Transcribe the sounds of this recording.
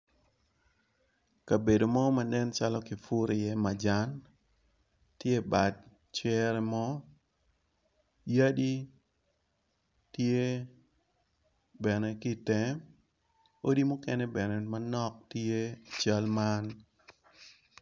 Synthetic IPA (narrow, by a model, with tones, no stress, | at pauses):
ka˨be˨do˨mɔ˦ma˨nɛ˦nt͡ʃa˦lɔkɪ˨fu˦ɾɪ˨jɛ˦ma˨d͡ʒa˦n | tje˦ba˨d̚ | t͡ʃɛ˦ɾɛmɔ˦ | ja˦di˦ | tje˦ | bɛ˨nɛ˦ki˦tɛ˨˦ | o˦di˦mʊ˦kɛnɛ˦bɛ˨nɛmanɔ˦k̚te˦t͡ʃa˦lma˦n